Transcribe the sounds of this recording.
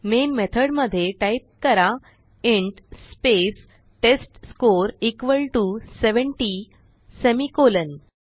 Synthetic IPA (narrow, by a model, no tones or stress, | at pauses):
menmet̪ʰəɽməd̪ʱːjeʈajp̚kəɾa | eɳʈspes | ʈesʈskoɾikʋəlʈuseʋəɳʈi | semikolən